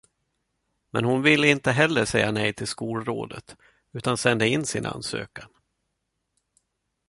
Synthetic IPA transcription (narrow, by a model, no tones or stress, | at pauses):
mɛnhʊnvɪlːəɪnt̪əɦɛlːəʂɛjːanɛjt̪ʰɪlskuːlɾo̰ːd̪ə̰t̪ | ʉ̟ːt̪ansɛnd̪əɪnːsɪnʔa̰nsø̰ːkan